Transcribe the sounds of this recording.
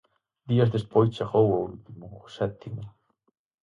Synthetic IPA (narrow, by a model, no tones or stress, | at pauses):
d̪iɐzðespojst͡ʃeɣowoult̪imʊːsɛt̪imʊ